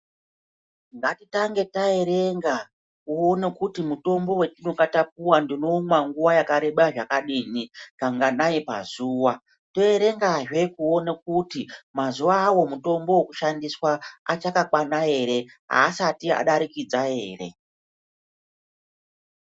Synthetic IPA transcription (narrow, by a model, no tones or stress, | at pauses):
ŋɡatitaŋɡe̞tae̞ɾe̞ŋɡa | kuonekutimuto̞mbo̞we̞t͡ʃinokatap̚uwandinomwaŋɡuwajakaɾe̞ɓaʐakaɗiːnikaŋɡanaipa̰zuːwa | to̞e̞ɾe̞ŋɡaʐwe̞kuonakutimazuʋaːwo̞muto̞mbo̞wekuʃandiswaat͡ʃakakwanaɦe̞ɾe̞ | ɦa̰ːsatia̰ɗaɾikid͡zaɦe̞̰ːrḛ